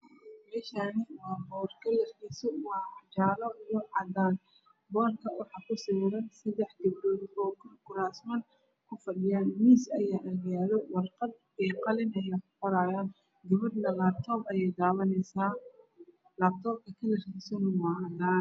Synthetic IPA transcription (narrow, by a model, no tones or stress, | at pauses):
mɛːʃaːnɪwɑːbɔːrkʰɐlɐrkʰiːsɔwɑːɑt͡ʃaːlɔwʊʕɑd̪aːn | bɔːrkʰɐwɑħɑːkʰʊsɪwɾɐnsɐd̪ɛħd̪ɪbɾɔːdɔːkʰʊrkʊɾaːsmɐn | kʰʊfɐɖɪjaːnmiːsɐjaːʔɐɣjaːðɔwɑrqɑd̪ | ɛqɑlɪnɐjaːkʊ̥qɔɾaːjaːn | ɡ̪ɐβɐdnɐlaːb̚t̪ʰɔːbɐjɛjd̪aːβɐnɛsaː | laːb̚t̪ʰɔːb̚kʰɐkʰɐlɐrkʰiːsɔnʊwaːd̪aːn